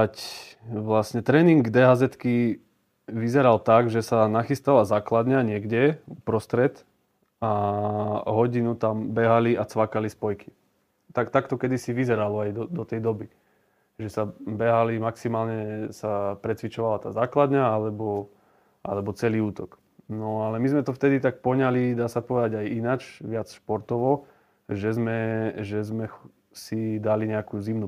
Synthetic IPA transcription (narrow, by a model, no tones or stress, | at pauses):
acʋlasɲɛt̪ɾɛːniŋɡd̪ɛɦazɛt̪ki | ʋizɛɾalt̪aɡʒɛsanaxist̪alazaːklad̪ɲaɲɪɛɡɟɛupɾɔst̪ɾɛt̪ | a | ɦɔɟinut̪ambɛɦaliat͡sʋakalispɔjki̥ | t̪akt̪akt̪ɔkɛd̪isiʋizɛɾalɔajd̪ɔd̪ɔt̪ɛjd̪ɔbi | ʒɛsabɛɦalimaksimaːlɲɛsapɾɛt͡sʋit͡ʃɔʋalat̪a̰ːzaːklad̪ɲaalɛbɔ | a̰lɛbɔt͡sɛliːuːt̪ɔk | nɔalɛmizmɛt̪ɔft̪ɛd̪it̪ak̚pɔɲalid̪aːsapɔʋɛd̪aɟajinat͡ʃʋɪat͡sʃpɔɾt̪ɔʋɔ | ʒɛzmɛʒɛzmɛ | sid̪aliɲɛakuzimnu